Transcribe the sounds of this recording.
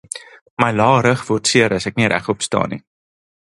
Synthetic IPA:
məjlɑːɾəχvɔrtsiəɾəsæk̚niɾʔæ̰χɔpstɑ̰ːnḭ

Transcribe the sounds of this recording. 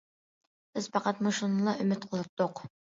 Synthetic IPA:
b̥ɪz̥pɑqɑt̪moʃunlˠɑʔymɪt̪̚qʰəlˠɨp̚t̪ːoq

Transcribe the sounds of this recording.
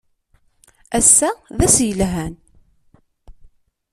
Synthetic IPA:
æsːæðæsjəlɦæn

